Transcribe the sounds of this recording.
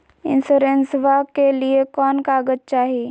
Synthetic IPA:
ɪ̰̃nsuːɾensʋakeliekɔːnkaːɡət̪̚t͡ʃaːɦii

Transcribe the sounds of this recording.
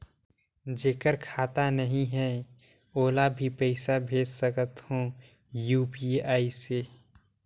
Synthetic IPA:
d͡ʒeːkəɾkʰaːt̪anəɦĩɦɛ | oːlabʱipəɪsabʱeːd͡ʒsəkət̪hõː | juːpiaːiseː

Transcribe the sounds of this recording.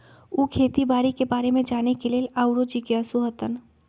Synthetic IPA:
uːkʰeːt̪ibaːɾikebaːɾemẽd͡ʒaːnekeleːlaʊɾod͡ʒikeɐsuɦət̪ən

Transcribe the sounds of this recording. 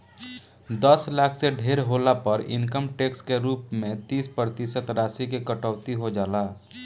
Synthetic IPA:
d̪əslaːkʰseɖʱeːɾɦoːlapəɾɪ̰̃nkəmʈeːkskeɾuːpmẽt̪iːspɾət̪isət̪ɾaːsikekəʈəʊt̪iɦod͡ʒaːlaː

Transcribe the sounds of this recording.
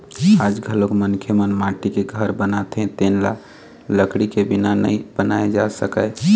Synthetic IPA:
ad͡ʒɡʱəlokmənkʰjəmənmaʈikeɡʱəɾbənat̪ʰẽt̪enla̰ | ləkɽikebinanə̰ib̥ənaed͡ʒasəkəj

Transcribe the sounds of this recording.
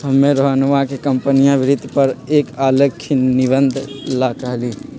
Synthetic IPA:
ɦəmːẽɾoɦanʋakekəmpənijãbɪɾɪd̪ʱpəɾeːkaːləkʰːinɪbə̃nd̪ʱlaːkaːliː

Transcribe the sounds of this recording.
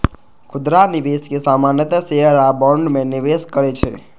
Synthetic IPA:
kʰʊd̪ɾaniʋeskesamanjət̪əseɦəɾabɔɳɖmẽniʋeskəɾet͡ʃʰḛ

